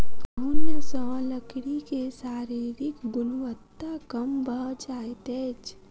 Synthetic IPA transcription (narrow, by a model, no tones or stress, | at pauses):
kəɦunjəsɔ̃ləkɽikesaːɾiːɾɪkɡʊnuʋət̪ːakəmbəɦd͡ʒaːjt̪ɛːt͡ʃ